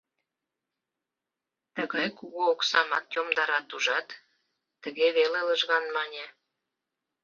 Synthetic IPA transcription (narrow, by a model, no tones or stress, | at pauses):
t̪əɣɑjkuɣoːksɑmɑt̪jomd̪ɑɾɑt̪uʒɑt̪ː | əɣeβelelə̆ʒɣɑnmɑnʲe